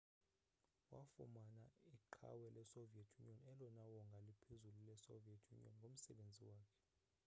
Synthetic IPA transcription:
wa̰fumanaiǃʰa̰wɛlʔɛsoviɛtʰjuniɔnɛlɔnawɔŋɡʱalipʰezululɛsoviɛtʰjṵnḭɔnŋɡʱom̩sɛɓend͡zʱiwaːkʰɛ̥

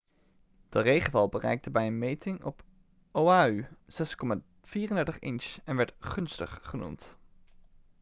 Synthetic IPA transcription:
d̥ərejχənvɑlˠbərɛ̰jk̚təbɛjənmejtɪŋɔ̰p | ʔowaːyz̥ɛskɔma | v̥iːrəndɛɹtəχɪ̰nsɛnʋɛɹtχɵnstə̰χːənṵmt

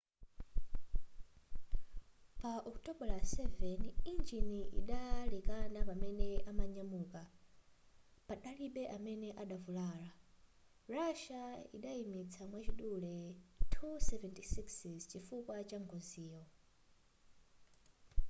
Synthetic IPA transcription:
paʔɔktɔɓɔlasɛvɛnind͡ʒiniʔḭɗalɛkanapamɛnɛʔamaɲamuːka | paɗaliɓɛʔamɛnɛʔaɗavulaːla | raʃaḭɗaimit͡sʰamwat͡ʃiɗulɛtʰusɛvɛntisiksizt͡ʃifukwat͡ʃaŋɡʰɔziːɔ

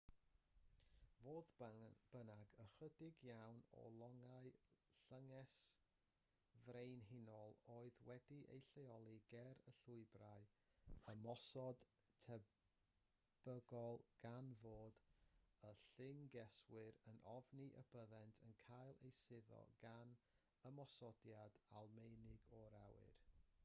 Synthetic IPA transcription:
voːðb̥ənaɡəχədɪɡjawnɔ̰lˠɔŋaɨɬəŋɛs | vrejnɦɪnɔlˠoːɨðwɛdiʔḛjɬejɔlˠiɡ̥ɛɾəɬʊɨbraɨ | əmɔsɔd̥ | tʰɛ | b̥əɡɔlˠɡ̥anvoːdəɬɪŋɡɛswɪɾənʔɔvniʔəbəðɛntʰənkʰajlˠḛjsɪðɔ̰ɡan | əmɔsɔdjadalˠmejnɪɡɔɾawɨ̰r

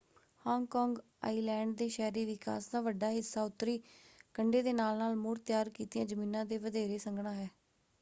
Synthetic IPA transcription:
hɔːŋɡkɔːŋɡ | a̰ːiːlɛːɳɖ̚d̪eːʃɛːɾiːʋɪka̰ːsd̪aːʋəɖaːɦɪsːaːʊt̪ːɾiːkəɳɖeːd̪eːnaːlnaːlmʊɾt̪jaːɾkiːt̪ɪjãːd͡ʒəmĩːnãːd̪eːʋəd̪eːɾeːsəŋɡɽãːɦɛː

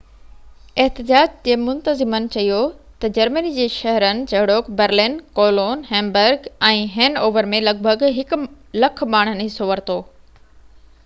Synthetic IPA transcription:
eɦt̪ɪd͡ʑaːd͡ʑd͡ʑeːmʊ̃nt̪əzɪmənɪ̆t͡ɕɐijot̪ɐd͡ʑɐɾmənid͡ʑeːʃɐɦɾənɪ̆d͡ʑɐɦɪɽoːkbɐɾlɪnkoːloːnɦɛ̃ːmbəɾɡɛ̃ːɦɛ̃ːnoːʋəɾmẽlɐɡ̚bʱəɡɦɪk | lɐkʰmaːɽ̤̃ənɪɦɪsoʋɐɾt̪oː

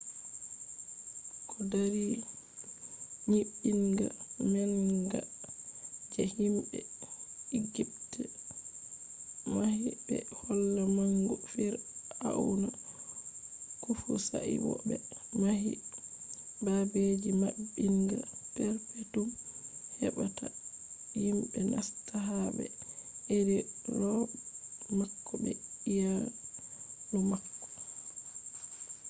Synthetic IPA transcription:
kʰɔdaɾi | ɲiɓːiŋɡamɛlɡa | d͡ʒɛhimbɛ | iɡip̚tɛ | mahibɛ̰hɔlːamaŋɡɔfiɾha̰una | kufusa̰ʔḭwɔ̰ɓɛmahḭ | babed͡ʒimabːiŋɡa̰pɛɾpɛtumhɛɓatʰa | jimbɛnʔa̰staɦabɛ̰ʔediɾɔ | makːɔbɛija | lumakːɔ̥

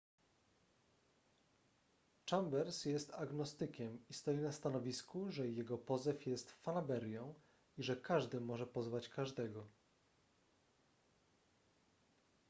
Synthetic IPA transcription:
t͡ʂambɛɾsjɛst̪aɡnɔst̪ɘkʲɛmist̪ɔjinast̪anɔvʲiskuʐɛjɛɡɔpɔzɛfjɛst̪fanabɛɾjɔ̃w̃ | iʐɛkaʐd̪ɘmɔʐɛpɔzvat͡ɕkaʐd̪ɛɡɔ

